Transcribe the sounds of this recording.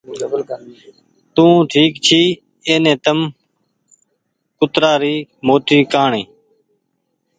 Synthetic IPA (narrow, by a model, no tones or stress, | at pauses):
t̪ũːʈʰiːkt͡ʃʰiː | eːnẽːt̪əm | kʊt̪ɾaːɾiːmoːʈiːkaːɳĩː